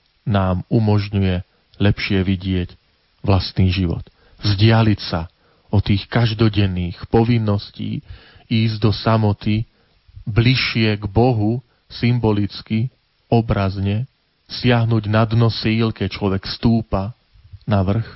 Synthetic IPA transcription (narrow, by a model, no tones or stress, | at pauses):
naːmumɔʒɲujɛ | lɛpʃɪɛʋiɟɪɛc | ʋlast̪niːʒiʋɔ̰t̪ | zɟɪalicsa | ɔt̪iːxkaʒd̪ɔɟɛnːiːxpɔʋinːɔscḭː | iːzɟd̪ɔsamɔt̪i | bliʃɪɛɡbɔɦu | simbɔlit͡ski | ɔbɾazɲɛ | sɪaɦnuːɟnad̪nɔsiːlkɛct͡ʃlɔʋɛkfst̪uːpa | naʋr̩x